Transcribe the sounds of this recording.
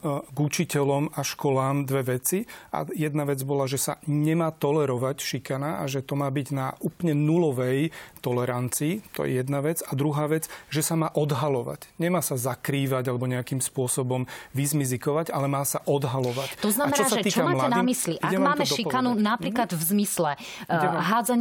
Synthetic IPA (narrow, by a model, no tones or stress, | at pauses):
ɡut͡ʃicɛlɔmaʃkɔlaːmd̪ʋɛʋɛt͡siʔa̰jɛd̪naʋɛd͡zbɔlaʒɛsa̰ɲɛmaːt̪ɔlɛɾɔʋacʃikanaaʒɛt̪ɔmaːbiɟnauːplɲɛnulɔʋɛjt̪ɔlɛɾant͡siːt̪ɔ̰jɛ̰jɛd̪naʋɛd͡zad̪ɾuɦaːʋɛd͡zʒɛsamaːʔɔd̪ɦalɔʋa̰cɲɛmaːsazakɾiːʋaɟalɛbɔɲɛakiːmspʊɔsɔbɔmʋizmizikɔʋaɟalɛmaːsaʔɔd̪ɦalɔʋact̪ɔznaamɛnt͡ʃ̪ɔaːsaʒɛiːt͡ʃɔamaːlaɛdnimisliʔʔiaɛmaːmɛʃɔikanunapɾikklad̪vzmislɛ | ɦaːd͡zaɲ